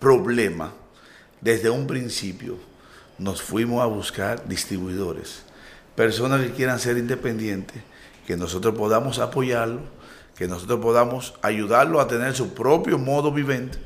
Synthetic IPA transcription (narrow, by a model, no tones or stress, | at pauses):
pɾo̞βle̞ma̰ | d̪e̞zðe̞umpɾinsipjo̰ | no̞sfwimo̞saβuskaɾd̪ist̪ɾiβwiðo̞ɾḛs | pe̞ɾso̞naskekje̞ɾanse̞ɾind̪e̞pe̞nd̪je̞nt̪e | ke̞no̞so̞t̪ɾospo̞ðamo̞sapo̞ʝaɾlo̞ | ke̞noso̞t̪ɾospo̞ðamo̞saʝuðaɾloat̪e̞ne̞ɾs̬upɾo̞pjo̞mo̞ðo̞βiβẽ̞nt̪e̥